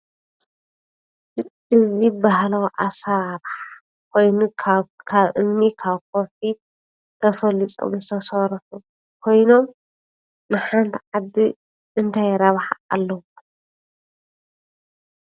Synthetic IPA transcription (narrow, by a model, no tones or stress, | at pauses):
ɨzibaɦlawʔasɐɾaɾħ | kʰo̞jnukʰaβʔɨmnikʰaβk̚ʰofi | t̪ʰɐfɐlit͡s̪ʼo̰mzɨt̪ʰɐsɐɾfu | kʰo̞jno̞m | nɨħant̪ʰiʕad̪i | ɨnt̪ʰajɾɐβħaa̰lːɐwu